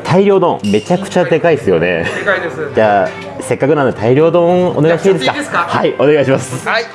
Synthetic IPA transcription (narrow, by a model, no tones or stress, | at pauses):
t̪ʰaiɾʲo̞ːd̪õme̞t͡ɕakɯ̟̥t͡ɕad̪e̞kaiesɨjo̞̰ne̞̰ | d͡ʑaː | se̞kːakɯ̟nãnoet̪ʰaiɾʲo̞ːd̪õone̞ɡait̪aid̪esɨ̥kahaiʔo̞ne̞ɡaiɕ̬imasɨ̥